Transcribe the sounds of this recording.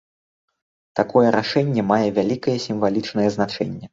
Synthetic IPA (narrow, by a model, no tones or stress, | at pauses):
t̪akɔjɛɾʔaʂɛnʲːɛmajɛvʲalʲikɐjɛsʲimvalʲit͡ʂnɐjɛznat͡ʂɛ̰nʲːɛ